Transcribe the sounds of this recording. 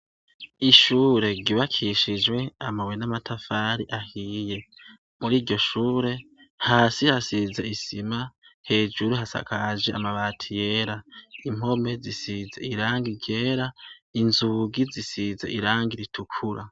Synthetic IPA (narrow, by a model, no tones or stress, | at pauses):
iʃuːɾe̞ɟiβakʰiʃid͡ʒwe̞amawenamatʰafaːɾiʔahije̞ | muɾiːɾɟo̞ʃuːɾe̞ | haːsihasize̞isimahe̞ːd͡ʒuɾuɦasa̰kʰad͡ʒeamaβaːtʰije̞ːɾaim̥o̞me̞zisizeiɾaːŋɡiɟe̞ːɾainzuɡizisizḛʔiɾaːŋɡiɾitʰukʰuɾa